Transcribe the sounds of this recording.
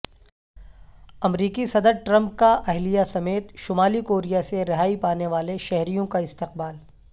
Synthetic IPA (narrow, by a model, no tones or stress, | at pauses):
ɐmɾiːkisɐd̪əɾʈɾɐ̃mp̚kaʔɐɦlijasɐmeːt̪ʃʊmaːlikoːɾijaseɾɪɦaːipaːneʋaːleʃɛɦɾijõkaɪst̪ɪqbaːl